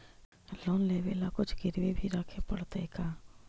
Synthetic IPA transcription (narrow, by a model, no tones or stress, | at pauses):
lɔːnleːʋeːlakʊt͡ʃʰɡɪɾwebʱiɾaːkʰepəɽt̪ekaː